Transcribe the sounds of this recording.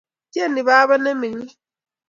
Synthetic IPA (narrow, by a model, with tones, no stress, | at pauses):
kɛ˦˨ni˨βaː˦βa˦nɛ˦mi˨ɲi˦